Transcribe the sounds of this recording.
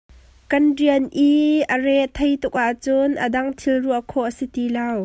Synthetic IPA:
kɐnriənʔiərɛʔt̪ʰɐjt̪ʊk̚ʔaʔt͡sʊnʔəd̪ɐŋt̪ʰilruəʔkʰɔʔəsit̪ilɐw

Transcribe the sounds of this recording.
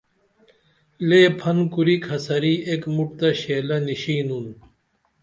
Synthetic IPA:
leːpʰɐnkuɾikʰɐsɐɾiːekmuʈ̚t̪ɐɕeːlɐniɕiːnun

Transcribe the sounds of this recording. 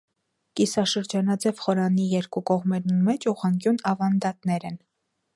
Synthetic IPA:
kisɑʃəɾd͡ʒɑnɑd͡zɛvχɔɾɑnijɛɾkukɔʁmɛɾnumɛt͡ʃuʁɑŋkjunɑvɑnd̪ɑt̪nɛɾɛn

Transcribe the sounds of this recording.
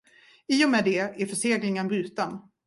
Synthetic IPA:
iːɔmɛːd̪ɛæɾfœʂeːɡlɪŋənbɾʉ̟ːt̪an

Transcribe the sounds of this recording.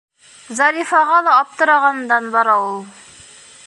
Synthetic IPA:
zɑɾifɑʁɑlˠɑːp̚t̪əɾɑʁɑnd̪ɑnbɑɾɑwulˠ

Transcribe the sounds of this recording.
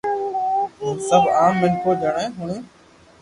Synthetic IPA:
ɦĩːsəbʱaːmːənkʰoːd͡ʒʱəɳẽːɦʊɳẽː

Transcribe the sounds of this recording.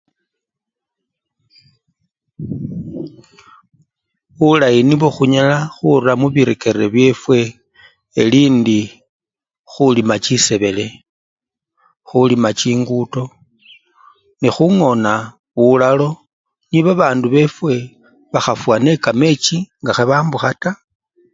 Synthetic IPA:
βulajiniβoxuɲalaxuramuβiɾeke̞ɾeβje̞fwe̞ː | liːndi | xulimat͡ʃise̞βe̞le̞ | xulimat͡ʃiːŋɡuto̞ | nixuŋo̞na | βulalo̞ | niβaβaːnduβe̞fwe̞ | βaxafwane̞kame̞t͡ʃiŋɡaxeβaːmbuxata

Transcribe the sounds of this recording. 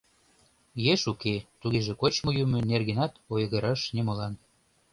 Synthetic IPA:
jeʃuket̪uɣeʒĕkot͡ɕmojumĕnerɣenɑt̪ojɣəɾɑʃnemolɑn

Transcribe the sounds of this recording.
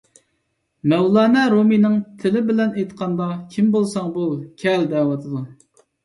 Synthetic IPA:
mɛwlˠɑːnɛɾominɨŋt̪ʰɪlɪbɪlɛnejt̪qʰɑnd̪ɑkʲʰimbolˠsɑŋbukʲʰɛld̪ɛwɑt̪ʰɨd̪u

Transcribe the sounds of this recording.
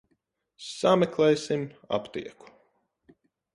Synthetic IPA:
samɛklˠɛjsima̰pt̪ḭɛku̥

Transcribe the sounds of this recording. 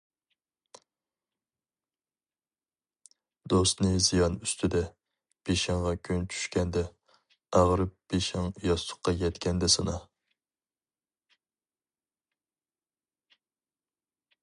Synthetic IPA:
d̪ost̪nɨzijɑnyst̪ʰɪd̪ɛ | b̥eʃæŋʁɑkʲʰønt͡ʃʰy̥ʃkʲɛnd̪ɛ | æʁɾɨp̚b̥eʃɛŋjɑst̪ʰʊ̥qːɑjʲɛt̪kʲʰɛnd̪ɛsɨnɑ

